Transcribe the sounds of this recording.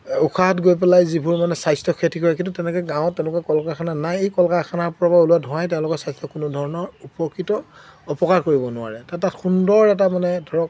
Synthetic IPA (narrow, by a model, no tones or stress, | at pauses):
ukʰaɦatɡojpɛlajzibʱuɹmanɛsajstɔkʰetʰikɔjɛkĩnt̬utɛnɛkɛɡãʊ̃ɔtːɛ̃lʊkakɔlkaxʰananajejkɔlkakʰanaɹpɔɹabauluadʱɔ̃ãjtɛʊ̃lʊkɔɹsajstɔkʊnʊdʱɔɹɔnɔɹupɔkːitɔɔpɔkaɹkoɹibɔnʊa̰ɹɛtatatxundɔɹɛtamanɛdʱɔɹɔk̚